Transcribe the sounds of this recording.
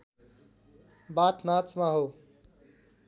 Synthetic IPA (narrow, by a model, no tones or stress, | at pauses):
baːt̪nat͡smaɦo